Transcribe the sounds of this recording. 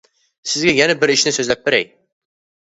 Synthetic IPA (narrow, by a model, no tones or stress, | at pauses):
sɪzɡʲæjænæbɪɾɪʃnɪsɵzlæp̚bɪɾɛ̰j